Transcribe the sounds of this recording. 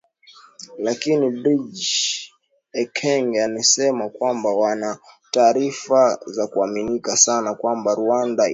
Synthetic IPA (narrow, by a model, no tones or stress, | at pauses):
lakinibɾid͡ʒ | ɛkʰɛŋɡanisɛmakwambawanataːɾifazakuaminikasanakwambaɾuanda